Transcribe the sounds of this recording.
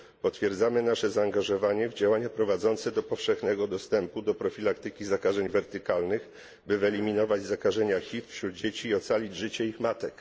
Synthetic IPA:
pɔt̪fʲjɛɾd̪zamɘnaʂɛzaːŋɡaʐɔvaɲɛvd͡ʑawaɲapɾɔvad̪zɔnt̪sɛd̪ɔpɔfʂɛxnɛɡɔd̪ɔst̪ɛmpud̪ɔpɾɔfʲilakt̪ɘkʲizakaʐɛɲvɛɾt̪ɘkalnɘx | bɘvɛlʲimʲinɔvad͡ʑzakaʐɛɲaxʲit̪fɕɾud̪̚d͡ʑet͡ɕiːɔt̪salʲid͡ʑʐɘt͡ɕɛixmat̪ɛk

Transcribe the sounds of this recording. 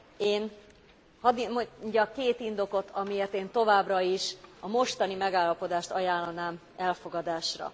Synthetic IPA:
eːn | hɒd̪moɲɟɒkeːt̪ind̪o̞ko̞t̪ʰɒmijeːrt̪eːnt̪o̞vaːbrɒiʃɒmo̞ʃt̪ɒnimɛɡaːlːɒpo̞d̪aːʃt̪ɒjaːlːɒnaːm | ɛlfo̞ɡɒd̪aːʃrɒ̰

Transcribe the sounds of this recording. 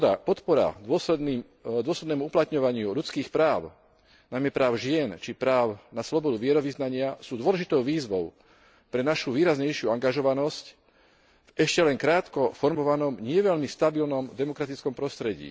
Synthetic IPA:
apɔt̪pɔɾa̰ɔsɛd̪niː | d̪ʊɔslɛd̪nɛːmuuplat̪ɲɔʋaɲɪuʎut͡skiːxpɾaːʊ | najmɛpɾaːʊʒɪɛnt͡ʃipɾaːʊnaslɔbɔd̪uʋɪɛɾɔʋiznaɲɪasuːd̪ʊɔlɛʒit̪ɔʊʋiːzʋɔʊ | pɾɛnaʃuʋiːɾazɲɛjʃɪuaŋɡaʒɔʋanɔsc | ɛʃcɛlɛŋkɾaːt̪kɔfɔɾmɔʋanɔmɲɪɛʋɛʎmist̪abilnɔmd̪ɛmɔkɾat̪it͡skɔmpɾɔst̪ɾɛɟḭː

